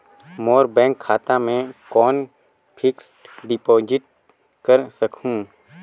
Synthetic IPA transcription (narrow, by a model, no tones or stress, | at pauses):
moːɾbɛ̃ːŋkʰːaːt̪amẽkɔːn | pʰɪksʈɖɪpoːd͡ʒɪʈ̚ | kəɾsəkʰũː